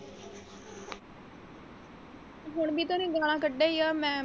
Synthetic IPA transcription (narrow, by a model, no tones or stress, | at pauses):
ɦʊɳbiːt̪aːnẽːɡaːlãːkəɖːaːiːaːmɛ̃ː